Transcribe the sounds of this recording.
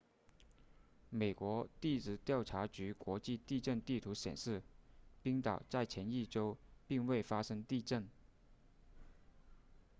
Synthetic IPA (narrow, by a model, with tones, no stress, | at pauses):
me˨˩ɪkwɔ˧˥t̪i˥˩t͡sɹ̩˥˩t̪jɑ˥˩ʊʈ͡ʂʰa˧˥t͡ɕy˧˥kwɔ˧˥t͡ɕi˥˧t̪i˥˧ʈ͡ʂə˥˧nt̪i˥˩t̪ʰu˧˥ɕjɛ̰˨˩nʂɻ̩˥˩pi˥ŋt̪ɑ˨˩ʊt͡sa˥˩ɪt͡ɕʰjɛ˧˥ni˥˩ʈ͡ʂo˥ʊpi˥˧ŋwe˥˩ɪfa˥ʂɤ˥ŋt̪i˥˧ʈ͡ʂə˥˩n